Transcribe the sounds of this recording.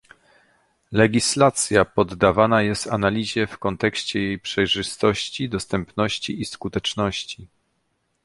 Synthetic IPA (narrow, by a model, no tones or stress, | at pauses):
lɛɡʲislat̪sʲjapɔd̪ːavanajɛst̪analʲiʑɛfkɔnt̪ɛkɕt͡ɕɛjejpʂɛjʐɘst̪ɔɕt͡ɕid̪ɔst̪ɛmpnɔɕt͡ɕiiskut̪ɛt͡ʂnɔɕt͡ɕi